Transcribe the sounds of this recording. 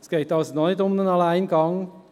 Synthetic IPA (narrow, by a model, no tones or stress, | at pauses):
sɡ̥eːt̚dɑsətnɔnɪtʊmənənɑlæɪnɡɑŋ